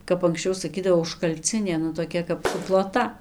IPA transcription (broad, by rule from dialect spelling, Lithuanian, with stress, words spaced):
kɐp ɐŋksʲˈt͡ʃʲɛʊ sɐˈkʲiːdɐʋoː ʊʃkɐlʲˈt͡sʲɪnʲeː nʊ toːˈkʲɛ kɐp sʊplˠoːˈtɐ